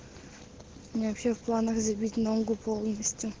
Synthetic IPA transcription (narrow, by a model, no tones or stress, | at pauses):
mʲnʲavɐpʲɕefplˠanəxzʲɐbʲitʲnoŋɡʊpʰolˠnəsʲtʲju